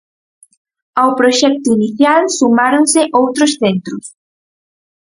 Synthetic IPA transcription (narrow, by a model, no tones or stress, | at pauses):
awpɾoʃɛk̚t̪ʊiniθjalsumaɾonsɪʔowt̪ɾʊsθent̪ɾʊs